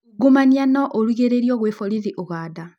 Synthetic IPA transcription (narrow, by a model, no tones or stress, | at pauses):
ɡumanianɔʔoɾwiɣeɾeɾijɔɣwefoɾiðiʔoɣaːda